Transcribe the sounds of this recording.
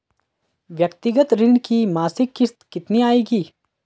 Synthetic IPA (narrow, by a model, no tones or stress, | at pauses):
ʋjɐkt̪ɪɡət̪ɾɪɳkimaːsɪkːɪst̪kɪt̪niaːeːɡiː